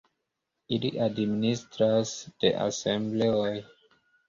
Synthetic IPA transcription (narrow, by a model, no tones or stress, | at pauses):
ilḭʔadministɾasd̥ḛʔa̰semble̞oj